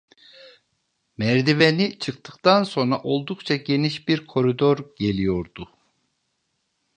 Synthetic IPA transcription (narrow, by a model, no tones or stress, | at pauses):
mɛɾd̪ivenit͡ʃʰɯkt̪ʰɯkt̪ʰanso̞nɾaʔo̞lˠd̪ukt͡ʃʰaɟe̞niʃbiɾkʰo̞ɾid̪o̞ɾɟe̞lʲijo̞ɾd̪u